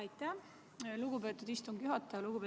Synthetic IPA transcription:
ɑjt̪ːˑæ | luɡ̥ubeːt̪ːˑud̪̥ist̪uŋɡ̥juɦɑt̪ːˑɑjɑluɡupe

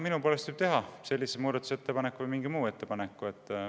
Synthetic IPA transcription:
minupolest̪yːb̥̚t̪e̞ɦɑse̞lʲːisemuːd̪̥ɑt̪u̥set̪ːe̞pɑnekːˑuvɨjmiŋɡ̥imuːe̞t̪ːe̞pɑnekːˑue̞t̪ˑː

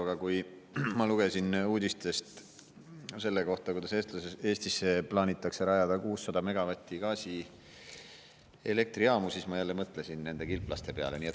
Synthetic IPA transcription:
ɑɡ̥ɑkuj | mɑluɡ̥e̞sinuːd̪ʲist̪e̞st̪ | se̞lːe̞ko̞ht̪ɑkujd̪ɑseːst̪lɑsee̞ːst̪isːe̞plɑːnʲit̪ːˑɑkseɾɑjɑd̪̥ɑkuːsːɑd̪̥ɑme̞ɡ̥ɑvɑt̪ʲːiɡ̥ɑːsi | e̞̰le̞k̚t̪riɑːmusiːsmɑjælːe̞mɤt̪ːˑle̞sinne̞nd̪e̞kilpˑlɑst̪e̞pe̞ɑ̰le̞niet̪

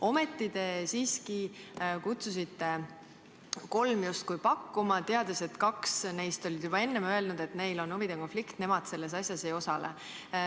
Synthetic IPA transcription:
o̞me̞t̪ːid̪̥e̞siːskikut̪sus̬it̪ːe̞ | ko̞lmjust̪kujpɑkːumɑt̪eɑd̪̥e̞set̪ːkɑksne̞jst̪o̞lʲid̪̥jub̥ɑe̞nːe̞mø̞e̞lnud̪̥e̞t̪me̞jlo̞nuvid̪̥eko̞nflikt̪ne̞mɑd̪̥se̞lːe̞s̬ɑsjɑse̞jo̞sɑlḛ

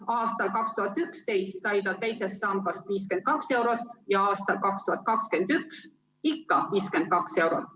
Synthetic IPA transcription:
ɑːst̪ɑlkɑkst̪uhɑt̪ːˑykst̪e̞jst̪sɑjt̪ɑt̪e̞jse̞sːɑmɡ̥ɑst̪viːske̞nd̪̥̚kɑkse̞wɾot̪ːˑjɑɑːst̪ɑlkɑkst̪uhɑt̪̚ˑkɑkske̞nd̪̥yks | ikːɑviːskend̪̥̚kɑkse̞wɾot̪ːˑ

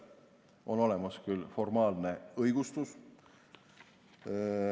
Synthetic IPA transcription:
ʔo̞no̞le̞mɑskylfo̞rmɑːlne̞ɤjɡ̥ust̪us

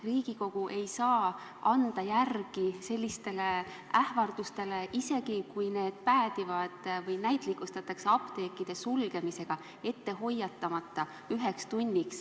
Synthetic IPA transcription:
riːɡ̥iko̞ɡ̥uʔe̞jsɑː | ɑnd̪̥ɑjærɡ̥ise̞lʲːist̪e̞le | æhvɑrd̪̥ust̪e̞le̞ʔise̞ɡikujne̞ːd̪̥̚pæːd̪̥ivɑd̪̥vɤjnæjt̪ˑlikust̪ɑt̪ːˑɑkseɑpt̪e̞ːkːˑid̪̥e̞sulɡe̞mise̞ɡ̥ɑ | e̞t̪ːe̞ɦo̞jːɑt̪ːˑɑmɑt̪ːˑɑ | yɦe̞kst̪unʲːiks

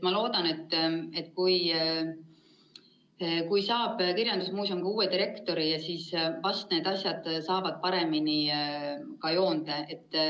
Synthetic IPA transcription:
t̪mɑlo̞ːd̪̥ɑne̞t̪ːˑe̞t̪ːˑkuj | kujsɑːb̥kirjɑnd̪̥usmuːsomkuːe̞d̪iɾe̞kt̪o̞ɾijɑsiːsvɑst̪ne̞ːd̪ɑsjɑd̪̥sɑːvɑd̪̥̚pɑɾe̞mini | kɑjo̞ːnd̪̥ee̞t̪ːˑ

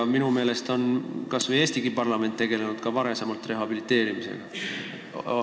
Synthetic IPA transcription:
minume̞ːle̞st̪o̞nkɑsveje̞ːst̪iɡ̥ipɑrlɑme̞nt̪ːe̞ɡ̥e̞le̞nud̪̥̚kɑvɑɾe̞semɑlt̪ˑre̞ɦɑb̥ilit̪ːˑe̞ːɾimise̞̰ɡ̥ɑ

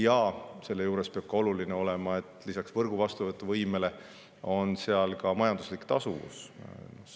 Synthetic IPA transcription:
jɑse̞lːe̞juːɾe̞speɑb̥̚kɑo̞lulineo̞le̞mɑe̞t̪ːˑlisɑksv̥ɤrɡ̥uvɑst̪uvɤt̪ːˑɑvɤjme̞le̞ | o̞nseɑlkɑmɑjɑnd̪̥uslikˑt̪ɑsuvṵsn

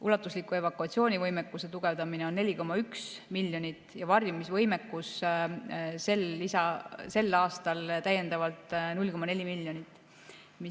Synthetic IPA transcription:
ulɑt̪ːˑuslikːˑue̞vɑkːˑuɑt̪sio̞ːnʲivɤjmekːuse̞t̪uɡ̥e̞vd̪ɑmineo̞nːe̞lʲiko̞mːɑyksmilʲːjo̞nʲit̪ːˑjɑvɑrjumisvɤjme̞kːus | se̞lːisɑse̞lːɑːst̪ɑlt̪æjːe̞nd̪ɑvɑlt̪ˑnulʲko̞mɑne̞lʲimilʲːjo̞nit̪ːˑ | mi

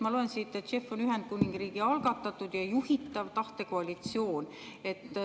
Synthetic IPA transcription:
mɑloensit̪ːˑe̞t̪ːʃe̞fːo̞nyɦe̞nd̪̥̚kuniŋɡ̥riːɡ̥iɑlɡ̥ɑt̪ːˑɑt̪ːˑud̪̥jɑjuhit̪ːˑɑvt̪ɑht̪e̞koɑlit̪sio̞ːn | e̞t̪ːˑ

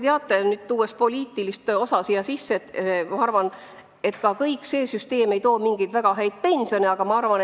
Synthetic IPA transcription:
t̪eɑt̪ːˑenyːd̪̥t̪uːes̚po̞lʲiːt̪ilist̪o̞sɑsijɑsisːet̪mɑɑrvɑn | e̞t̪ːkɑkɤjkˑse̞ːsyst̪e̞ːme̞jt̪o̞ːmiŋɡ̥ijd̪̥væɡ̥ɑɦæjd̪̥̚pe̞nʲsio̞niɑɡ̥ɑmɑɑrvɑn

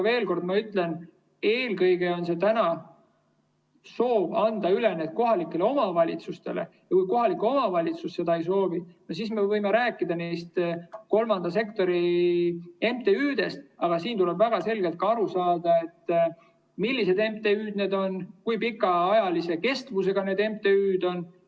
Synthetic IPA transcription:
ɑve̞ːlko̞rd̪mɑyt̪ˑle̞n | e̞ːlkɤjɡe̞o̞nse̞t̪ænɑ | so̞ːbɑnd̪̥ɑyle̞net̪̚ko̞ɦɑlikːˑe̞leo̞mɑvɑlʲḭt̪sust̪e̞̰le̞̰ | jɑkujko̞ɦɑlikːˑuo̞mɑvɑlʲit̪susːe̞d̪ɑejs̬o̞ːvinos̬isme̞vɤjmeɾæːkːˑid̪̥ɑnejst̪ko̞lmɑnd̪ɑs̬e̞kt̪o̞ɾi | e̞mt̪e̞yːd̪e̞st̪̚ɑɡ̥ɑsiːnt̪ule̞bvæɡ̥ɑse̞lɡ̥e̞lt̪̚kɑɑɾusɑːd̪ɑe̞t̪ː | milʲːise̞d̪e̞mt̪e̞yːd̪̥ne̞ːd̪o̞nkujpikːˑɑɑjɑlise̞ke̞st̪vuse̞ɡ̥ɑne̞d̪e̞mt̪e̞yːd̪̥o̞n

